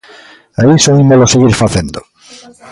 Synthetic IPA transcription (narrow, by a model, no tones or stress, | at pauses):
aisoŋimoloseɣiɾfaθend̪o